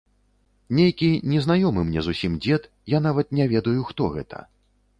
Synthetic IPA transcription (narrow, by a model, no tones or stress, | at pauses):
nʲejkʲinʲɛzn̪ajɔmɨmnʲɛzusʲimd͡zʲɛt̪ | jan̪avɐt̪̚nʲɛvʲɛd̪ɐjuxt̪ɔɣɛ̰t̪ʰɐ̰